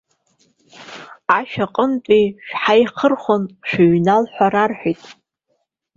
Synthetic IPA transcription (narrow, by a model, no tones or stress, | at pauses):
aʃᶣaqʼənt͡pʷʼiʃᶣħajχərχʷonʃᶣʊɥnalħʷaɾarħʷijtʼ